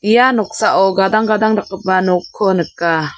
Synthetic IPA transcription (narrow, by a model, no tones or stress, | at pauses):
ijanɔk̚saʔɔɡad̪aŋɡad̪aŋdak̚ːɯp̚banɔkʰːɔnɯkːa